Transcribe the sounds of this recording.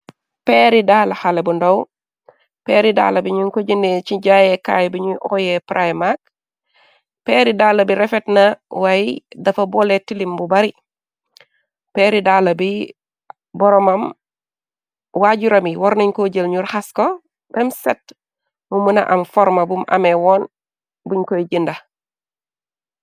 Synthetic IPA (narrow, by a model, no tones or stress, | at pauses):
peːɾidaːlaxalebundow | pɛːɾida̰ːlɐbiɲuɲkoɟindit͡ʃiɟajɛka̰ːjbiɲuʔɔjɛpɾajmak̚ | pɛːɾidaːlɐbiɾɛfɛtnɐwajdɐfɐbɔletilimbubɐɾi | peɾidalɐbi | bɔɾɔmɐm | waɟuɾɐmiwɔɾniɲkoɟəlɲuɾhasko | bɛmsɛt̚ | mumunɐ̰ʔamfɔɾmɐbumʔa̰mewɔːn | buɲkoiɟindɐ